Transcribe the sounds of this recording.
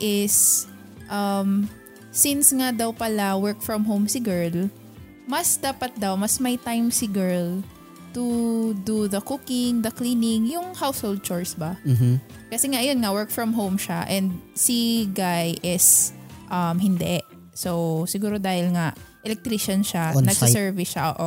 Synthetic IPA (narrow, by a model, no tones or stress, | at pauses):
ʔɪs | ʔɐmː | ɪnsŋad̪awpɐlawɛɹk̚fɹɐmɦowmsɪɡɛɹl | mɐsd̪aːpɐt̪̚d̪awmɐsmɐjt̪ajmsɪɡɛɹl | t̪ud̪uðɐkukɪŋd̪ɐkliːnɪŋjʊŋhawshowld̪̚t͡ʃɔɹsbɐ | kɐsɛŋaʔɐjonŋawɛɹk̚fɹɐmɦowmʃaʔɛnd̪̚siɡajʔɪsʔɐmɦɪnd̪ɛʔ | sowsɪɡuːɾod̪aːhɪlŋaʔʔɛlɛk̚t̪ɾiʃɐnʃanɐɡsɪsɛɹvɪʃaʔo̰ʔo